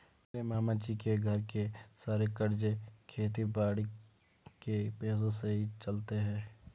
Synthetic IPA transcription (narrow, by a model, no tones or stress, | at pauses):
meːɾemaːmat͡ʃikeɡʱɐɾkesaːɾekəɾd͡ʒekʰeːt̪̬ibaːɽi | kepeːzõseɦit͡ʃɐlt̪eɦɛ̃ː